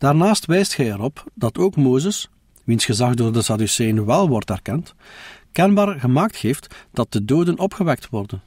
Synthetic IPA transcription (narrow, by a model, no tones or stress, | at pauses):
d̥aːrnaːstʋɛjstxɛjɛɾɔpdɑtoːkmoːzəs | ʋinsxəzɑɣdoːrdəsɑdysɛjənʋɛlˠʋɔrtɛrkɛntkɛnbaːrɣəmaːk̚txeːftd̥ɑt̚dədoːdənɔpxəʋɛk̚tʋɔrdən